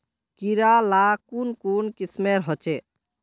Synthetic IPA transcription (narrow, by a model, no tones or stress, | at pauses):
kiɾalakunkunkismeɾɦɔt͡ʃe